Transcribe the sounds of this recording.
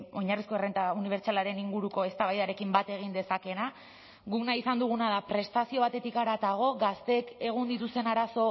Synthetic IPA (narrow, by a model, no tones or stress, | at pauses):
o̞ɲarisko̞erent̪auniβeɾt͡ʃalaɾe̞niŋɡuɾuko̞e̞st̪aβajðaɾe̞kimbat̪e̞ɣ̞ind̪e̞sake̞na | ɣuknaisand̪uɣ̞unað̞apɾe̞st̪asio̞β̞at̪e̞t̪ikaɾat̪aɣ̞o̞ɣast̪e̞ke̞ɣ̞und̪it̪ust̪e̞naɾaso̞